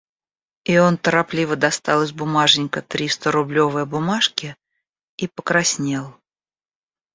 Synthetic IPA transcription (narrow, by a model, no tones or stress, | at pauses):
io̞nt̪əɾaplʲivəd̪ɐst̪ɑlˠəs̬ʲbʊmaʐnʲɪkət̪ɾʲist̪əɾʊblʲo̞vɨjəbʊmaʂkʲɪ | ipəkɾɐsʲnʲe̞lˠ